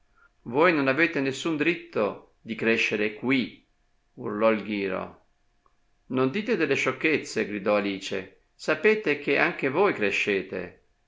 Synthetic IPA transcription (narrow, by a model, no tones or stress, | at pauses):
voːjnonaveːt̪enesːund̪ɾit̪ːo | d̪ikɾeʃːeɾekwi | ṵrlɔilɡ̟iːɾo̰ | nond̪iːt̪ed̪elːeʃokːet̪sːeɡɾid̪ɔaliːt͡ʃḛ | sapeːt̪ek̟eʔaŋk̟evojkɾeʃːeːt̪ḛ